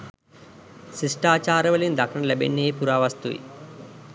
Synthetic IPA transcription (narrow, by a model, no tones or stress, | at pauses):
siʂʈaːt͡ʃaːɾɐʋɐliund̪ʱɐkʂɐɳɐlebḛnːeːjpuɾaːʋɐst̪uʋḭ